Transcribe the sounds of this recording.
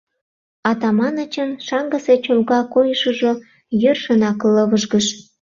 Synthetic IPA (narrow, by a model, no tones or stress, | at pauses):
ɑt̪ɑmɑnət͡ɕənʃɑŋɡə̆set͡ɕolɣɑkojəʃəʒo | jørʃənɑkləβəʒɣəʃ